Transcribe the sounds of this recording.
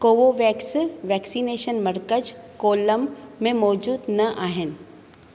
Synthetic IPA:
koːʋoʋɛːksʋɛːksiːneːʃənmɐɾkəd͡ʒkoːləmːẽmɔːd͡ʒuːd̪nɐʔaːɦɪn̆

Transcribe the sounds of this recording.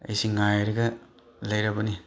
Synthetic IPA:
ɐ̰jsiŋajɾɐɡɐ | lɐjɾabɐni

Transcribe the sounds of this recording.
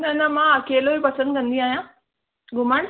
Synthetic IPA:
nɐnɐmãɐkeːlobipɐsə̃nd̪̚kɐ̃nd̪iaːɦijãː | ɡʊmaːɳ

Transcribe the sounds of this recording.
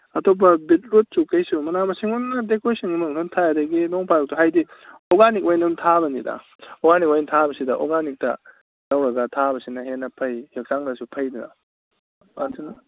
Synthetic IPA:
ɐtop̬ɐbit̚ɾut̚sukɐjsumɐnamɐsiŋunːɐdekojsiŋumɐmnontʰajadɐɡinoŋpʰajɾok̚tuɦajdioɡanikojnuntʰaβɐnidɐ̰ | oɡanik̚ojntʰabɐsidɐʔo̰ɡanik̚tɐ | nɐwɾɐɡɐtʰabɐsinɐɦenːɐpʰɐjhek̚saŋdɐsupʰɐjdunɐ̰ | ansʰinɐ

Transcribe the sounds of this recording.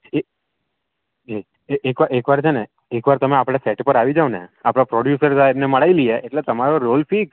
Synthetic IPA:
e | e | eekʋaekʋaɾt͡ʃʰene | ekʋaɾt̪əmeapɽ̃aseʈpəɾaʋid͡ʒaʋnḛapɽ̃apɾoɖjusəɾsaebneməɽailieʔeʈlet̪əmaɾoɾolfik

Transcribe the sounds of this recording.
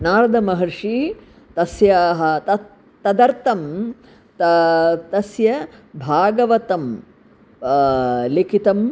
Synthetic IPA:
naːɾɐd̪ʱɐmɐɦɐɾʂi | t̪ɐsjaːɦɐ̆t̪ɐ | t̪ɐd̪ɐɾt̪ɐm | t̪ɐt̪ɐsjɐbʱaːɡɐʋɐt̪ɐm | likit̪ɐm

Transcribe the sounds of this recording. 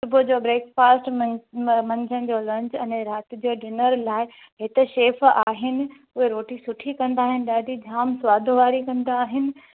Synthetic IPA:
sʊbʊd͡ʑoːbɾeːkfaːsʈ | mɐ̃ɲd͡ʑʱənɪ̆d͡ʑoːlɐ̃ɲd͡ʑɛ̃nẽɾaːt̪̆d͡ʑoːɖɪnəɾlaːɪ | ɦɪt̪ɛʃeːfaːɦɪnɪ̆ | ʊɦeɾoːʈisʊʈʰikɐ̃nd̪aːɦɪnɪ̆ɗaːɖʱid͡ʑʱaːmsʊʋaːd̪ʱoʋaːɾikɐ̃nd̪aːɦɪnɪ̆

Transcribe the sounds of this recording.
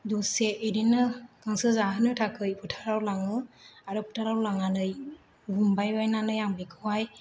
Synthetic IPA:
dɔseiɾinɯkʰaŋsɯzaɦɯnɯtʰakʰɯjpʰɯtʰaɾawlaŋɯaɾɯpʰu̥tʰaɾawlaŋanɯj | bumbajbajnanɯjaŋbikʰɯwaj

